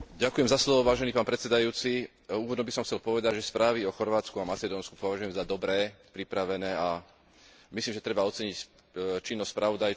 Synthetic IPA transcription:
ɟakujɛmzaslɔʋɔʋaːʒɛniːpaːnpɾɛt̪sɛd̪ajuːt͡si | uːʋɔd̪ɲɔbisɔmxt͡sɛlpɔʋɛd̪aɟʒɛspɾaːʋiɔxɔɾʋaːt͡skuamat͡sɛd̪ɔːnsku̥pɔʋaʒujɛmzad̪ɔbɾɛːpɾipɾaʋɛnɛːa | misliːmʒɛt̪ɾɛbaɔt͡sɛɲic | t͡ʃinːɔsʲspɾʔaʋɔd̪aj

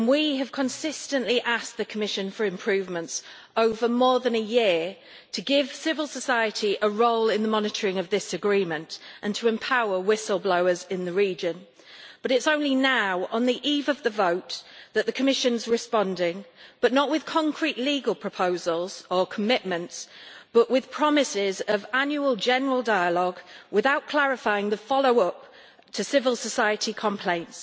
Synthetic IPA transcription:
ə̃nwiəv̥kʰə̃nsɪstə̃nʔliʔask̚ðəkʰəmɪʃə̃nfəɹɪ̃mpʰɹ̥ʉːvmə̃nts | oʊvəmɔːðə̃nəjɪə | tʰəɡɪv̥sɪvəlˠsəsaɪətʰiʔəɹoʊlɪ̃nðəmɒnɪtʰəɹɪ̃ŋəvðɪsəɡɹĩːmə̃ntʔə̃ntʰəɛ̃mpʰaʊəwɪsəlˠbloʊəzɪ̃nðəɹiːd͡ʒə̃n | b̥ʌɾɪtsõʊ̃nlinaʊə̃nðiʔiːvəvðəvoʊʔðəʔðəkʰəmɪʃə̃nzɹɪspɒ̃ndɪ̃ŋb̥ʌʔnəʔwɪð̥kʰɒ̃ŋkʰɹ̥iʔliːɡəlˠpʰɹ̥əpʰoʊzəlˠz̥əkʰəmɪʔmə̃ntsb̥ʌʔwɪð̥pʰɹ̥ɒmɪsɪzəvãnjuəlˠd͡ʒɛnəɹəlˠdaɪəlɒɡwɪðaʊʔkʰl̥æɹɪfaɪɪ̃ŋðəfɒloʊʌp̚ | tʰəsɪvəlˠsəsaɪətʰikʰə̃mpʰl̥ẽɪ̃nts

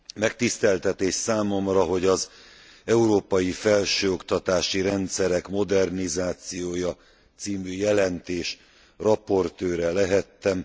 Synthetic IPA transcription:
mɛkt̪ist̪ɛlt̪ɛt̪eːʃsaːmo̞mrɒɦo̞ɟɒz | ɛuɾoːpɒjifɛlʃøːo̞kt̪ɒt̪aːʃiɾɛnt̪sɛɾɛkmo̞d̪ɛrnizaːt̪sijoːjɒ | t̪siːmyːjɛlɛnt̪eːʃ | rɒpo̞rt̪øːɾɛlɛɦɛt̪ːɛm

